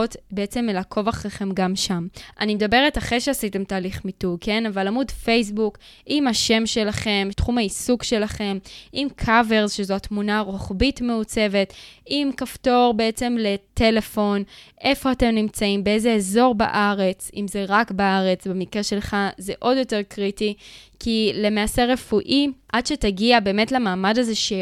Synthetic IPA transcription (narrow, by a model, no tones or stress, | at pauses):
otbeet͡se̞melakʰo̞vaχʁeχe̞mɡamʃamʔa̰nimed̪abe̞ʁetaχeʃeasite̞mtaːliχmitukʰe̞navalamudfe̞js̬buk | imaʃe̞mʃe̞laχe̞mtχumhaisukʃe̞laχe̞mimkʰave̞ʁzʃezoatmunaːʁoχbitme̞ut͡se̞ve̞timkafto̞ʁbeet͡se̞mle̞te̞le̞fo̞nʔe̞fo̞ate̞mnimt͡saimbeeze̞ezo̞ʁba̰ʔaʁe̞t͡simze̞ʁakbaaʁe̞t͡sbemikʁeʃe̞lχazeʔo̞djo̞te̞ʁkʁitikʰile̞maːse̞ʁe̞fuʔiʔad̥ʃetaɡiabe̞ːme̞tlamaːmadaze̞ʃe